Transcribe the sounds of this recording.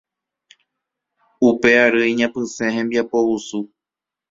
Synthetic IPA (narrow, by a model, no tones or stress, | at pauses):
upeaɾɨiɲãpɨsẽhẽmbiapowusu